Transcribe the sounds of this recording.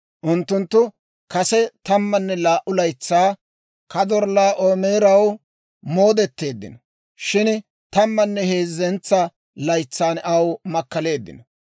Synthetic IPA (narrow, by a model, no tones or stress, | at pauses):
ʔʊnt̪ːʊnt̪ːʊ | kɐsɛt̪ɐmːɐnːɛlaːʔʊlɐjt͡sːaː | kɐd̪ɔɾlaːʔoːme̞ːɾɐw | mo̞ːd̪ɛt̪ːe̞ːd̪ːɪ̰nɐ | ʃɪn | t̪ɐmːɐnːɛhe̞ːzːɛnt͡sːɐ | lɐjt͡sːaːnɐwmɐkːɐle̞ːd̪ːɪ̰nɔ